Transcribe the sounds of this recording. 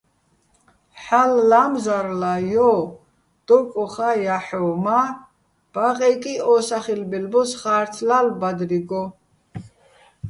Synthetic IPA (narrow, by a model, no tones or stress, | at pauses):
ħalːamzaɾlajɔ | d̪̥ɔkʼɔχajaħɔma | b̥aʁɛkʼiɔsaχilbɛlbɔsχaːɾt̪ʰlalbad̪ɾiɡɔ